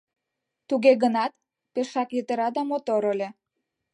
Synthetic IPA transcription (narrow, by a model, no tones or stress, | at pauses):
t̪uɣeɣənɑt̪̚ | peʃɑkjət̪əɾɑd̪ɑmot̪oɾəlʲĕ